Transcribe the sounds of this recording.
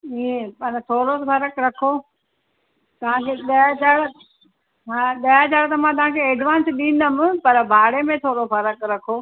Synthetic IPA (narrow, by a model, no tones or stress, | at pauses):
ipɐnt̪ʰoːɾosfɐɾəkɾɐkʰoː | t̪ɐʋ̤ãkʰeːɗɐjat͡ɕaːɽ | ɦãːɗɐjat͡ɕaːɭt̪ɐmãt̪̬ɐʋ̤ɦãkʰeeːɖʋãːnsɗĩːn̆d̪əmɪ̆pɐɾbʱaːɽemẽt̪ʰoːɾofɐɾəkɾɐkʰoː